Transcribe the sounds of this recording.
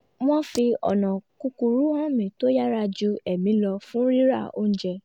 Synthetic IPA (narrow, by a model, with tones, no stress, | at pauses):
w̃ɔ̃˦fi˧ɔ̰˨nã˨ku˧ku˧ɾu˦ã˦mĩ˨to˦ja˦ɾa˧d͡ʒu˦ɛ˦˨mĩ˨˦lɔ˧fũ˦ɾi˦ɾa̰˦˨o̰˦ñ̩˦d͡ʒɛ˧